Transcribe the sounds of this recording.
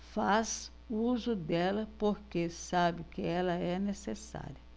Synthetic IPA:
faz | uzʊd̪ɛlɐpoɾkesabɪkɪɛlɐɛnesesa̰ɾjɐ

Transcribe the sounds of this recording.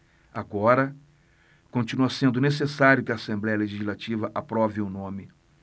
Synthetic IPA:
aɡɔɾɐ | kõnt͡ʃinuɐsẽnd̪ʊnes̬esaɾjʊkɪaːsẽmblɛjɐleʒizzlat͡ʃivɐʔapɾɔvɪʊnõmɪ

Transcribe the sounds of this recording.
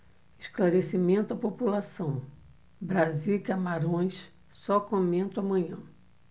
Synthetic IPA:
ɪʃklaɾesimẽnt̪ʊɐpopulasɐ̃w̃ | bɾaziwkamaɾõj̃s | sɔkõmẽnt̪ʊamɐ̃ɲɐ̃

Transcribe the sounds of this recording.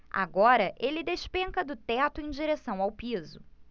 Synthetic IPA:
a̰ɡɔɾɐʔelɪd̪eʃpẽŋkɐd̪ʊt̪ɛt̪ʊẽj̃d͡ʒiɾesɐ̃w̃awpizʊ

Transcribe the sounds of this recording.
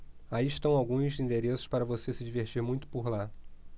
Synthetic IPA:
aiʃt̪ɐ̃w̃awɡũzĩnd̪eɾesʊ̥ʃpaɾɐvosesɪd͡ʒiveɾt͡ʃiɾmũj̃t̪ʊ̥poɾla

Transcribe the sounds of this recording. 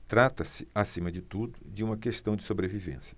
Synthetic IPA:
t̪ɾat̪ɐsɪasĩmɐd͡ʒɪt̪ud̪ʊd͡ʒɪũmɐkest̪ɐ̃w̃d͡ʒɪ̥sobɾevivḛ̃sjɐ̥

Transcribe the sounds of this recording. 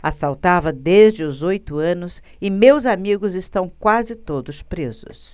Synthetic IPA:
asawt̪avɐd̪ezd͡ʒɪʊzojt̪ʊɐ̃nʊs | ɪmewzamiɡʊzɪst̪ɐ̃w̃kwazɪt̪od̪ʊspɾezʊ̰s

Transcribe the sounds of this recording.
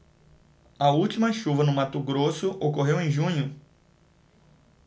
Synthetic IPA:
ɐuwt͡ʃimɐʃuvɐnʊmat̪uɡɾosʊʔokoɦewẽj̃ʒũɲʊ

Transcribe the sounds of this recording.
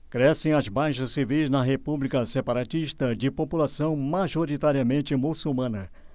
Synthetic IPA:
kɾɛsẽj̃ɐzbajʃɐssivijznɐɦepublikɐsepaɾat͡ʃiʃt̪ɐd͡ʒɪpopulasɐ̃w̃maʒoɾit̪aɾiɐmẽnt͡ʃɪmusumɐ̃nɐ

